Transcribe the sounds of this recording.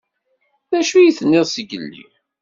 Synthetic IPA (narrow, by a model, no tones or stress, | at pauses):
ðæʃujiθnːɪðˤsəɡə̰lːḭ